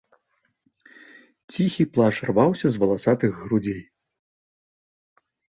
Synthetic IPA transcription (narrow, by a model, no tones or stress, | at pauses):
t͡sʲixʲiplˠaʂrvawsʲɐzvɐlˠasat̪ɨɣːɾud͡zʲej